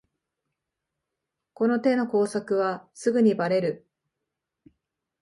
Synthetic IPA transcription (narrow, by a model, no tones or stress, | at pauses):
ko̞no̞t̪e̞no̞ko̞ːsakɯ̟βasɨɡɯ̟ɲ̟ibaɾe̞ɾɯ̟